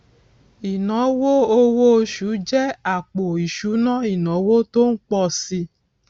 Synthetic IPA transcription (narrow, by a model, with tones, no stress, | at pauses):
i˨nɔ̃˨˦wo˦o˧wo˦˧˦ʃu˨˦d͡ʒɛ˦a˦˨k͡po˨i˨ʃu˨˦nã˦i˨nɔ̃˨˦wo˦to˦n̩˦k͡pɔ˧si˧